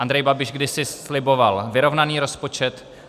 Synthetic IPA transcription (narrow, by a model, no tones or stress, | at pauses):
and̪ɾɛjbabɪʃɡdɪsɪslɪbo̞valvɪɾo̞vnaniːɾo̞spo̞t͡ʃɛt̪